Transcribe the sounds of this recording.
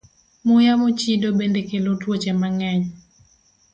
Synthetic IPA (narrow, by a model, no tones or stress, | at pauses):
mʊjamot͡ʃidobendekelotwot͡ʃɛmaŋɛɲ